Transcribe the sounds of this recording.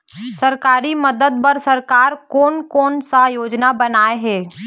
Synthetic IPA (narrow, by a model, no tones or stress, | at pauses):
sɐɾkaːɾiməd̪əd̪̚pɐɾsɐɾkaːɾkɔːnkɔːnsajoːd͡ʒnabɐnaːeɦɛː